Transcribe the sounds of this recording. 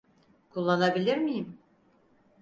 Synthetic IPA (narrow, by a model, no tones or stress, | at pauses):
kʰulˠːanabilʲiɾmijim